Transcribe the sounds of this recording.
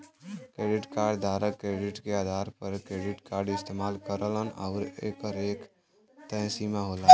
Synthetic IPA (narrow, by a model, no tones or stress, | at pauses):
kɾeːɖɪʈkaːɾɖd̪ʱaɾəkːɾeɖɪʈkead̪ʱaɾpəɾkɾeːɖɪʈkaːɾɖɪst̪emalkəɾələna̰ʊɾeːkəɾeːk | t̪əɦsimaɦola